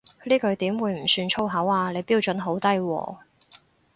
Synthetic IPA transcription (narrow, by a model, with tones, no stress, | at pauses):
liː˥kɵ˨˧ɥt̪iː˨˥mwuː˨˧jm̩˨˩syː˧nt͡ʃʰo˥wɦɐ˨˧˥waː˧le˨˧jpiː˥wt͡ʃɵ˨˥nɦo˨˥wt̪ɐ˥jwɔ̰ː˨˩